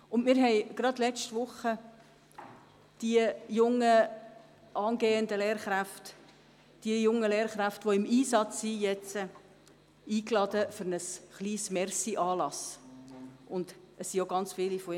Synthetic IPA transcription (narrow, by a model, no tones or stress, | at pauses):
ʊndmɪːɾɦɛɪɡ̥ɾɑdlɛt͡ʃtvʊχə | d̥iəjʊŋːə | ʔɑːnɡeːəndəleːɾχɾæft | d̥iəjʊŋːəleːɾχɾæftʋoɪmiːsɑt͡ssijɛt͡sə | iːklɑdəfʏɾnəsχliːsmɛrsiʔɑːlɑs | ʊnd̥ | əssioɡɑnt͡sfɪːlifoi